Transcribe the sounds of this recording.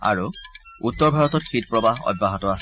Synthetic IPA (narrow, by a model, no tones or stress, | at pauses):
a̰ɹu | utːɔɹbʱaɹɔtɔtxitpɹɔbaɦɔ̰d̚baɦɔtɔas